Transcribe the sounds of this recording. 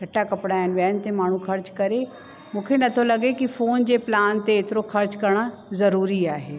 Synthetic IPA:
ɡʱɐʈakɐpɽaːɪnɪ̆ʋjaːɪnɪ̆t̪emaːɳ̤ũxɐɾt͡ɕkɐɾe | mũːkʰenɐt̪ʰolɐɠekifoːnd͡ʑeːplaːnt̪eːt̪ɪɾoxɐɾt͡ɕkɐɾɽ̃ə | zɐɾuːɾiaːɦeː

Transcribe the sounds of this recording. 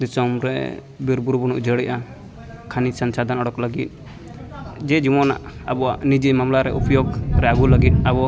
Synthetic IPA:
d̪isɔmɾɛ̰ | biɾbuɾbɔnṵʔd͡ʒəɽiʔa | kʰanisansad̪ʱanɔɽɔklaɡit̪̚ | d͡ʒɛd͡ʒimɔna̰ʔabɔwaʔnid͡ʒimamlaɾɛ̰ʔupjɔɡɾɛaɡulaɡit̪̚ˀabɔ

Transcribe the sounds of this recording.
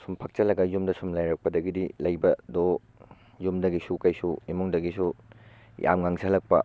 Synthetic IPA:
sumpʰɐk̚t͡ʃɐlɐɡɐjumdɐsumlajɾɐk̚pɐdɐɡidilɐjbɐdo | jumdɐɡisukɐjsuimuŋdɐɡisu | jʔa̰mŋaŋzʰɐlɐk̚pɐ

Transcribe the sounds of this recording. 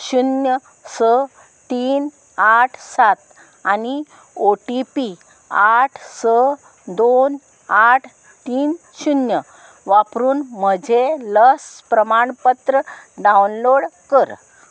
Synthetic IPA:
ɕunjə | sə | t̪iːn | aʈʰsat̪ | ani | oʈipi | aʈʰsə | d̪on | aʈʰ | t̪iːn | ɕunjə | ʋapɾuːnm̤əd͡ʑʱeləspɾəmaɳpət̪ɾəɖaunloɽkəɾ

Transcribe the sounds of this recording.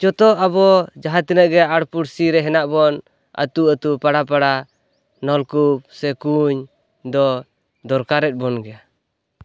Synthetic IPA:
t͡ʃɔt̪ɔabɔd͡ʒaɦat̪inəʔɡɛaɽpuɽsiɾɛɦɛnaʔbɔn | a̰t̪uət̪upaɽap̬aɽa | nɔlkup̚sɛkuɲ | d̪ɔ | d̪ɔɾkaɾɛt̪̚ˀbɔnɡɛa

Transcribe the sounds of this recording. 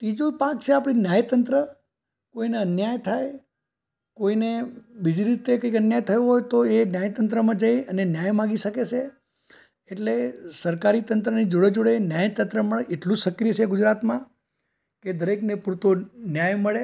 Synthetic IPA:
ʈid͡ʒupak̚t͡ʃʰeapɽ̃injajt̪ənt̪ɾə | koineənjajt̪ʰaj | koinebid͡ʒiɾit̪ekəikənjajt̪ʰəjũɦojt̪oenjajt̪ənt̪ɾəmãd͡ʒəjənenjajmãɡiʃəket͡ʃʰe | eʈlesəɾkaɾit̪ənt̪ɾənid͡ʒoɽed͡ʒoɽenjajt̪ənt̪ɾəməɭeʔeʈlud͡ʒʃəkɾijət͡ʃʰeɡʊd͡ʒɾat̪mã | ked̪əɾeknepuɾt̪onjajməɭe

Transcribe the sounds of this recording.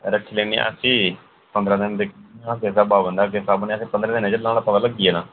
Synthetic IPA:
ɾəkʰːiːleːnḭːʔə̰siː | pənd̪ɾãːd̪ɪnd̪ekʰakeːsaːbaːbənd̪aːkeːsaːbənĩəsĩːpənd̪ɾãd̪ɪnẽd͡ʒəlãːlaːt̪əlaːləɡiːeːnaː

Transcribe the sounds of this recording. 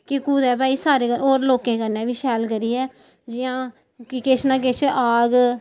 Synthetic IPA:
kɪkuːd̪ɛːbaːiːsaːɾeːəoːɾloːkẽːkənːɛ̃ːbiːʃɛːlkəɾiːɛː | d͡ʒɪjãː | kɪkɪt͡ʃʰnãːk̬ɪt͡ʃʰaːɡ

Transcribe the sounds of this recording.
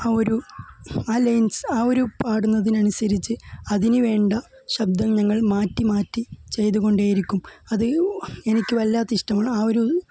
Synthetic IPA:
aːo̞ɾu | aːlɐjnsaːo̞ɾupaːɽunːɐðinɐnusɐɾit͡ɕːɨɐðinɨʋe̞ːɳɖɐ | ɕɐb̚d̪ɐmɲɐŋːɐɭmaːtːimaːtːit͡ɕe̞jt̪uɣo̞ɳɖaːjiɾikʲːumɐðɨe̞nikʲːɨʋɐlːaːt̪ːɐiʂʈɐmaːɳɨaːo̞ɾu

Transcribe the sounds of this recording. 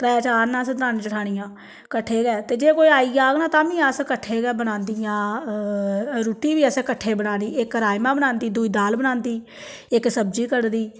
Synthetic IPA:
pɾəaːt͡ʃaːɾnãːsd̪ɾaːnt͡ʃəʈʰaːɽijãː | kəʈʰːeːɡɛːt̪eːd͡ʒeːkoːiːaːiːaːɡnãːt̪ãːʋĩːəskəʈʰːeːɡɛːbəɽãːnd̪ɪjãː | ɾuːʈiːʋiːəskəʈʰːeːbəɽãːniːɪkɾaːjmãːbəñãːnd̪iːd̪uːiːd̪aːlbənãːnd̪iː | ɪksəbd͡ʒiːkəɽd̪iː

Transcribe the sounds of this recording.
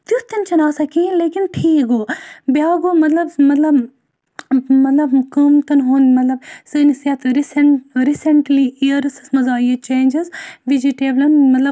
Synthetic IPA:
t̪ut̪ɐnt͡ʃɐnaːsɐkʰĩleːkinʈʰiːɡoːbjaːɡoːmɐt̪lɐbmɐt̪lɐb | mɐt̪lɐbkəmt̪ɐnɦonmɐt̪lɐbsɨnisjɐt̪ɾisɐnɾisɐɳʈliiəɾsɨsmɐzaːiɐt͡ʃẽːnd͡ʒizʋid͡ʒiʈeːblɐnmɐt̪lɐ

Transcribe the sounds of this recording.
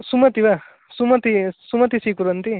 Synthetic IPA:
sumɐt̪iʋɐ | sumɐt̪isumɐt̪isiːkuɾɐnt̪i

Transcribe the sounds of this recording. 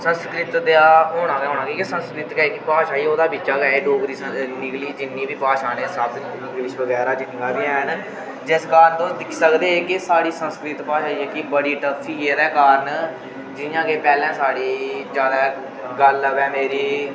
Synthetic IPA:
sə̃nskɾɪt̪d̪eaːɦoːɳãːkɛɦoːnãːkiːkɪsə̃nskɾɪt̪ɡɛːkipaːʃaːiːoːd̪aːbit͡ʃaːkɛːeːɖoːkɾiːsə̃nɪkliːd͡ʒɪnːĩːbiːpaːʃaːneːsaːb̪ | ɪ̃ŋɡlɪʃbəɡɛːɾaːd͡ʒɪnɡaːbiːɛːn | d͡ʒɪskaːɾənt̪õːd̪ɪkʰsəkd̪eːeːkɪsaːɽiːsənskɾɪt̪paːʃaːiːɛːkibəɽiːʈəpʰːiːkeːɾɛːkaːɾən | d͡ʒɪjãːkeːpɛːlɛ̃ːsaːɽiːt͡ʃaːd̪ɛː | ɡələʋɛːmeːɾiː

